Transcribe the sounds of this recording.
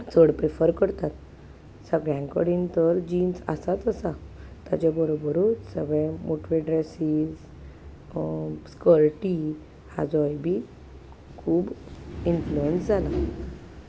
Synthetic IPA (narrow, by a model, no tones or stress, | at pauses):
t͡sʰəɽpɾefəɾkəɾt̪at̪ | səɡɭjãŋkəɽint̪əɾd͡ʑiːnsə̰sat͡səsat̪a̰t͡ɕabəɾobəɾusəɡɭɛ̃moʈʋeɖɾɛsiːz | skəɾʈi | ha̰d͡zɔjbʱi | kʰuːbinfluənsd͡zʱala